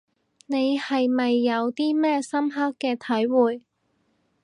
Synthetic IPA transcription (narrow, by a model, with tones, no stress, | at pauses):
ne˨˧jhɐ˨jmɐ˨jːɐ˨˧wt̪iː˥mɛː˥sɐ˥mɦɐ˥kːɛː˧t̪ʰɐ˨˥jwuː˨˩j